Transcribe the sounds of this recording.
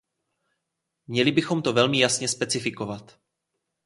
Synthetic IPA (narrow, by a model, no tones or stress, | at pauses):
mɲɛlɪbɪxo̞mt̪o̞vɛlmɪjasɲɛspɛt͡sɪfɪko̞vat̪